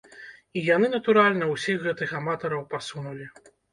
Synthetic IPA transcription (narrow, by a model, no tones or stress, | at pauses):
ijanɨnɐt̪uɾalʲnɐwsʲixɣɛt̪ɨxamat̪ɐɾɐwpasunulʲi